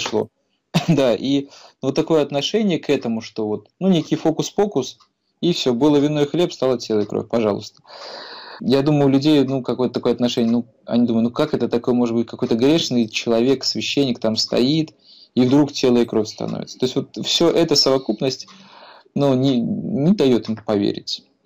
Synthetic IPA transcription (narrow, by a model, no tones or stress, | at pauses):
ʂlˠo̞̰ | d̪aʔinuvot̪ːɐko̞jəɐt̪nɐʂɛnʲɪjəkɛt̪əmʊʂt̪o̞vo̞t̪̚nunʲekʲɪjfo̞kʊsfo̞kʊs | ifsʲobɨlˠəvʲɪnːojxlʲe̞pst̪ɑlˠətʲelˠəjəkɾo̰fʲpɐʐɑlˠʊ̰st̪ə̥ | jad̪uməjʊlʲʉdʲejnukɐkojt̪ət̪ɐkojɐt̪nɐʂɛnʲɪjənu | ɐ̰nʲid̪umɨt̪ukakɛt̪ət̪ɐko̞jəmo̞ʐɨd̪bɨtʲkɐko̞jt̪əɡɾʲeʂnɨjt͡ɕɪlˠɐvʲeksvʲɪɕːenʲːɪk̚t̪amst̪ɐ̰it̪ | ivd̪ɾuktʲe̞lˠəjəkɾo̞fʲst̪ɐ̰no̰vʲɪt̪sət̪o̞ɪsʲtʲvo̞t̪fsʲoʔɛt̪əsəvɐkupnəsʲtʲ | nunʲɪnʲɪd̪ɐjot̪ɨmpɐvʲḛɾʲɪ̰tʲ